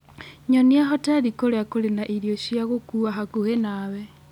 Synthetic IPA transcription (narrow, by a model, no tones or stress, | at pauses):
ɲɔniaɦɔtaɾikoleakolenaʔiɾjoʃjaɣokuaɦakuɣenaːwɛ